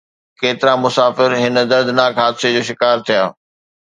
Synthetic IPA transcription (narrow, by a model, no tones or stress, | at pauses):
keːt̪ɪɾamʊsaːfɪɾɦɪnə̆d̪ɐɾd̪naːkɦaːd̪sed͡ʑoːʃɪkaːɾt̪ʰijaː